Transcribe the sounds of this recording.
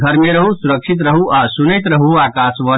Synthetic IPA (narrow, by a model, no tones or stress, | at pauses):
ɡʱəɾmeɾəɦusuɾəkʃʰit̪̬ɾəɦuʔasunəjt̪ɾəɦuakasʋə